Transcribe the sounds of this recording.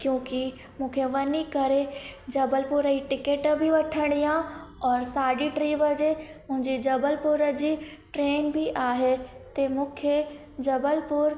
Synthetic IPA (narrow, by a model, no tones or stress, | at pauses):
kjõːki | mũːkʰeʋɐnikɐɾed͡ʒɐbəlpʊɾəiʈɪkeːʈbʱiʋɐʈʰəɽ̃ijãɔːɾsaːɖiʈɾiːbəd͡ʒemʊ̃ɦɪ̃ɲd͡ʒid͡ʒɐbəlpʊɾəd͡ʒiʈɾeːnbʱiʔaːɦet̪emʊ̃kʰe | d͡ʒɐbəlpʊɾ